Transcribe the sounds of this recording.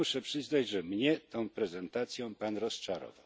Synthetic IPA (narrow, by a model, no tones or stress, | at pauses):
uʂɛpʂɘznad͡ʑʐɛmɲɛt̪ɔ̃w̃pɾɛzɛnt̪at̪sʲjɔ̃panɾɔst͡ʂaɾɔ̰vaw